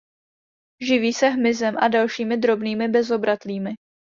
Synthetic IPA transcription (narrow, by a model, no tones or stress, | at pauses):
ʒɪviːsɛɦmɪzɛmʔadalʃiːmɪd̪ɾo̞bniːmɪbɛzo̞bɾat̪liːmɪ